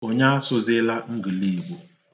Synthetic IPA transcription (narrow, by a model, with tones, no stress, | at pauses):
o˦ɲa˦a˦sʊ˦zɪ˦la˦ŋ̩˦ɡi˨li˦˨ɡ͡bo˨